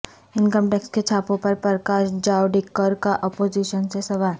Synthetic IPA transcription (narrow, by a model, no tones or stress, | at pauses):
ɪnkəmʈeːksket͡ʃʰaːpõpɐɾpəɾəkaːʃd͡ʒaːʊɖɪkːəɾkaʔɔːpoːd͡ʒiʃənsesɐʋaː